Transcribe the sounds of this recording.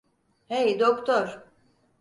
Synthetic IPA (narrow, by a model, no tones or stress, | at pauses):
hejd̪okt̪ʰoɾ̥